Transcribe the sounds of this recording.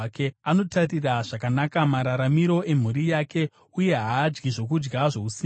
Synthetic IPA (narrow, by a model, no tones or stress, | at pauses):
keano̞tariraʐ̥akanakamaɾaɾamiɾo̞ʔe̞m̤uɾijake̞ | uje̞ɦaːd͡ʒɡiʐo̞kud͡ʒɡaʐo̞usiː